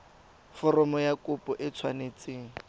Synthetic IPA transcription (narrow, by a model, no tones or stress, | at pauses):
fɔrɔmɔjakʊpʼɔʔɪt͡sʰwanet͡seːŋ̩